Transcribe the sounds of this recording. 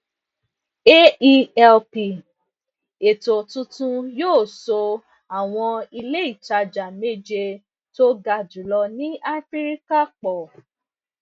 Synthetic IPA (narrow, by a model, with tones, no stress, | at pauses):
e˦i˧ɛ˧lpi˨ | e˨to˨tũ˧tũ˧joː˦˨so˧ | a˨w̃ɔ̃˧i˧le˦i˦˨ta˧d͡ʒa˨me˦˨d͡ʒe˧ | to˦ɡa˧˨d͡ʒu˨˦lɔ˧nĩ˦ʔa˦fi˦ɾi˦ka˦k͡pɔ˨